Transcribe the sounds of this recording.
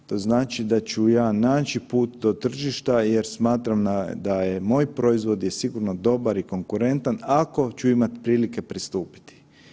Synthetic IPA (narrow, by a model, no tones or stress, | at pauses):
t̪o̞znaːt͡ʃid̪at͡ʃujaːnaːt͡ʃipuːt̪d̪o̞t̪r̩ʒiʃt̪aje̞ɾsmaːt̪ɾamd̪ajemo̞ːjpɾo̞izʋo̞d̪jesiɡuɾno̞d̪o̞baɾiko̞ŋkuɾe̞nt̪anako̞t͡ʃuimat̪pɾiːlike̞pɾist̪uːpi̥t̪i̥